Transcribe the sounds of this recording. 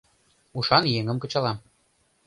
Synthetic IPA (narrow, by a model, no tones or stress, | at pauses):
uʃɑnjeŋə̆mkɤ̆t͡ɕɑlˠɑm